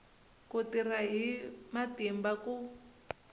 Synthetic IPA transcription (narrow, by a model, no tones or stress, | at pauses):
kutiraɦimatimbaku